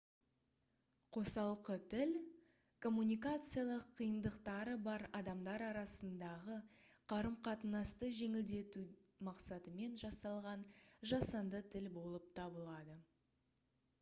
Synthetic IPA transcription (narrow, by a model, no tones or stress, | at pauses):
qʰo̞sɑlˠqət̪ʰɪl | kʰo̞mːunʲijkat̪sɨjalˠəqʰːijənd̪əqt̪ɑɾəbɑɾɑd̪ɑmd̪ɑɾɑɾɑsənd̪ɑʁəqʰɑɾəmqʰɑt̪ənɑst̪əʒe̞ŋɪld̪e̞t̪u | mɑqsɑt̪əme̞nʒɑsɑlˠʁɑnʒɑsɑnd̪ət̪ʰɪlbo̞lˠəp̚t̪ʰɑbəlˠɑd̪ə